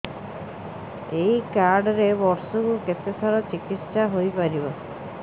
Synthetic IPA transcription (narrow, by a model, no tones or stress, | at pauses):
ejkaɾɖɔɾebɔɾsɔkuket̪esʰaɾɔt͡ʃikit̪saɦojpaɾibɔ